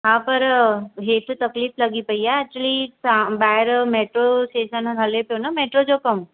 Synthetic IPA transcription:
ɦãːpɐɾɦeːʈʰt̪ɐkliːflɐɡipɐiaɛːk̚t͡ɕuəliãbaːɪɾmeːʈɾosʈeːʃənɡʱɐleponameːʈɾod͡ʑokɐm

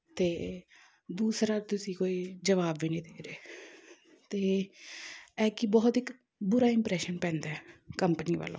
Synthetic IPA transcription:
t̪eː | d̪uːsɾaːt̪ʊsĩːkoːiːd͡ʒəʋaːbʋiːnĩːd̪eːɾeː | t̪eː | ɛːkɪbɔːt̪ɪk | bʊɾaːɪmpɾɛːʃənpɛ̃ːnd̪aːɛːkəmpəniːʋa̰ːlõ̰ː

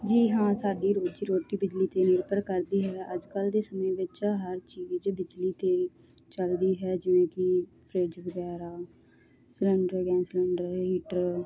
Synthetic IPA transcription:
d͡ʒiːɦãːsaːɖiːɾoːd͡ʒiːɾoːʈiːbɪd͡ʒliːt̪eːnɪɾpəɾkəɾd̪iːɦɛːəd͡ʒkəld̪eːsəmẽːʋɪt͡ʃɦəɾt͡ʃiːd͡ʒbɪd͡ʒliːt̪eː | t͡ʃəld̪iːɦɛːd͡ʒɪʋẽːkɪpʰɾeːd͡ʒʋəɡɛːɾaː | sɪləɳɖəɾɡɛ̃ːnsɪləɳɖəɾɦiːʈəɾ

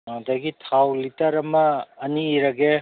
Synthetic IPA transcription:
daɡitʰawlitɐɾɐmɐːniːɾɐɡe

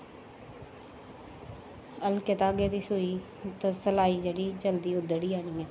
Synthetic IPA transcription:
əlkɪt̪aːɡeːd̪iːsuiː | t̪ãːsəlaːiːd͡ʒeːɽiːd͡ʒəld̪iːʊd̪əɽiːaːniːɛː

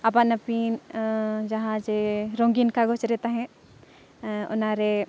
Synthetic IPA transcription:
ɐpənɐpin | d͡ʒɐɦãd͡ʒeɾõːŋɡinkaɡot͡ʃɾɛːt̪aɦɛ̃ | ʊ̰naɾe

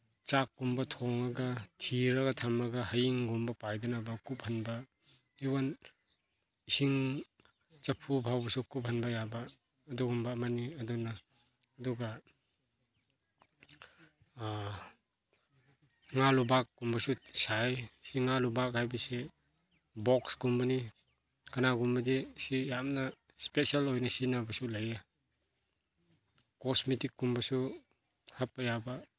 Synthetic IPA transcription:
t͡ʃakːumbɐtʰɔŋɐɡɐtʰiɾɐɡɐtʰamɐɡɐhɐjiŋɡumbɐpajdanabɐkup̚hɐnbɐ | iwan | isiŋ | t͡ʃɐpʰubʱawbɐsukup̬̚hɐnbɐjabɐː | duɡumbamaniɐdunaː | duɡɐ | ŋalubakːumbasusajsiŋalubakajbise | bɔkskumbani | kanaɡumbadisijamna | spesalojnasinabasulaja | kɔsmitikːumbasu | hap̚ːajaba

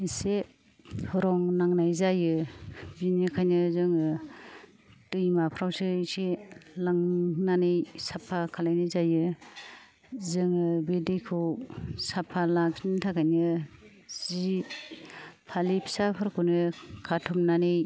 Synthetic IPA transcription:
ise | hɔɾɔŋnaŋnajzajɯbinɯkʰajnɯzɯŋɯ | tɯjmapʰɾawsɯselaŋnanejsapʰːakʰalajnɯjzajɯ | zɯŋɯbedijkʰɯwsapʰːalakzintʰakʰajnɯ | z̥i | pʰalipʰi̥sapʰɯɾkʰunɯkʰatʰɔmnanej

